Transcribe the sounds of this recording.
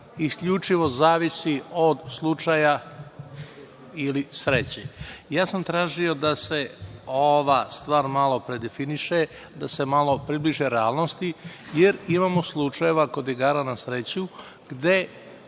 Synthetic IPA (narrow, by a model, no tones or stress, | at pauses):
iskʎut͡ʂiʋo̞zaːʋisiod̪slˠut͡ʂaja | ilisɾet͡ɕejaːsamt̪ɾaːʒio̞d̪ase̞oʋast̪ʋaːɾmalˠo̞pɾe̞d̪efiniʃe | d̪ase̞malˠo̞pɾibliʒeɾeaːlˠnost̪ijeɾimaːmo̞slˠut͡ʂaje̞ʋako̞d̪iɡaːɾanasɾet͡ɕu | ɡ̥d̪e̞